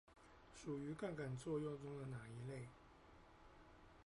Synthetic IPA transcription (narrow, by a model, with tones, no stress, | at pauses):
ʂu˨˩y˧˥ka˥˩nka˨˩nt͡swɔ˥˧jʊ˥˩ʊt͡sʊ˥ŋd̪ə˨na˨˩i˧˥le˥˩ɪ